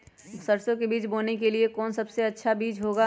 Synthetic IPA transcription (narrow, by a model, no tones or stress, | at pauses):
sɐɾsõkebiːt͡ʃboːnek̬eliekɔːnsɐbseɐtːʃʰabiːd͡ʒɦoːɡa